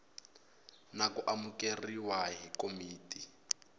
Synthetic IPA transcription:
nakuʔamukeriwaɦikomiːtʼi

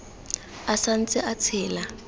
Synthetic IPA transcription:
asan̩t͡sʼɪʔat͡sʰɛːla

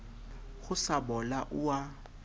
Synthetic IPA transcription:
ɣʊsabɔlaʔʊa

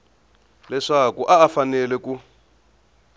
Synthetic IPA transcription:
lɛʂakuʔaːfanɛlɛku

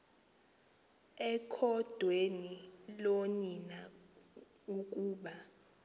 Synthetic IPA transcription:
ɛkʰɔd̥ʱwenilonina | uk̬ʼuːɓa

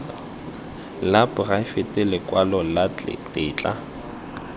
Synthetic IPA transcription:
lapʊraɪfɪtʼɪlɪkʼwalɔla̰tʼɪːt͡ɬʼa̰

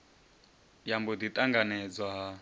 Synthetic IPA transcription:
jambɔd̪it̪ʼaŋɡanɛd͡zwaɦa

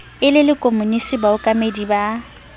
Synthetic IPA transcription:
ɪlɪlɪkʼomunisibaʊkʼamediba

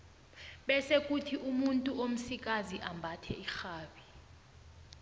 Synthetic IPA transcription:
ɓɛsek̬ʼutʰiʔumuntʼuom̩sik̬ʼaziʔambʱatʰɛ̰ixaːɓi

